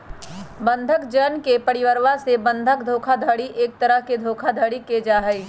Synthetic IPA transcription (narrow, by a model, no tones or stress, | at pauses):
bɐ̃nd̪ʱəkd͡ʒənkepɐɾɪʋəɾʋasebɐ̃nd̪ʱək̚d̪ʱoːkʰad̪ʱəɽiʔeːk̚t̪ɐɾəɦked̪ʱoːkʰad̪ʱəɽiked͡ʒaːɦəi